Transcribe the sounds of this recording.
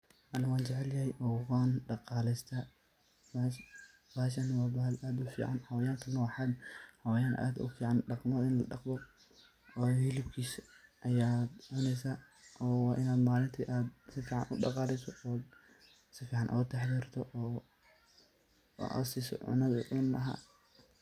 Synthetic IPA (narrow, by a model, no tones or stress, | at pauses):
ʔɐlɐwaːnt͡ʃɛʕɛljɐhɛjʔɔːwɣaːnɖɑqɑːlɛst̪ʰaː | bahʃ̬ɐnɐwɑːblʔaːd̪ʊfḭːʕa̰nhɐwɐjaːŋk̪ʰɐnɔːħɑd̪hɐwɐjaːnʔa̰ːd̪ʊ̰fiːʕanɖɑqmɐðɪnlɐɖɑqbɔ | ɔːhɪlɪbkʰiːsʔɐjaːd̪ʕʊnɛjsaː | ʔɔːwɑːʔɪnaːd̪maːlɪnt̪ʰiʔaːd̪sɪfiːʕɑ̰nʔʊɖɑ̰qɑːlɛsɔɔːd̪ | sɪfiːʕɑnʔɔ̰t̪ʰaħðiːrt̪ʰɔʔɔː | ʔɐ̰siːsɔ̰ʕʊ̰nɐðʊ̰ʕʊnlɐɦa̰ː